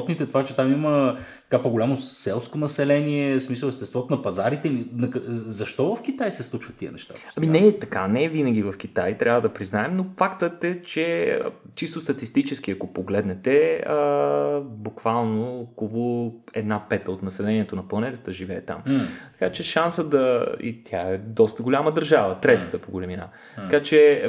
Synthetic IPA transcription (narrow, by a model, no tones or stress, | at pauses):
t̪nit̪ɛt̪ovat͡ʃɛt̪amimət̪ɐ̥kapoɡolʲamosɛlˠskonɐsɛlɛniɛsmisəlˠɛʃt̪ɛst̪vɔt̪onɐpɐzaɾit̪ɛninɐkzɐʃt̪ɔvɐfk̟it̪ajsɛslˠut͡ʃvət̪ːiə̰nɛʃt̪a̰ɐminɛt̪ɐkanɛvinəɡ̟ʲivɐfk̟it̪ajt̪ɾʲavəd̪ɐpɾiznaɛmnofakt̪ət̪ɛt͡ʃɛ̰ | t͡ʃist̪ost̪ɐt̪ist̪it͡ʃɛsk̟iɐkopoɡlɛd̪nɛt̪ɛə | bukvalˠnoːkolˠoɛd̪napɛt̪əot̪nɐsɛlɛniɛt̪onɐplˠɐnɛt̪ət̪əʒivɛːt̪a̰mt̪ɐ̥kat͡ʃɛʃansəd̪ɐḭt̪ʰʲjaɛd̪ɔst̪əɡolʲaməd̪əɾʒavət̪ɾɛt̪ə̥t̪əpoɡolɛmina̰ | t̪ɐkat͡ʃɛ